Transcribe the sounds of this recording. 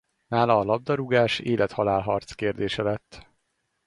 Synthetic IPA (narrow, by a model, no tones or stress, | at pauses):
naːlɒːlɒb̚d̪ɒɾuɡaːʃeːlʔɛt̪hɒlaːlɦɒrt̪skeːrd̪eːʃɛlɛt̪ː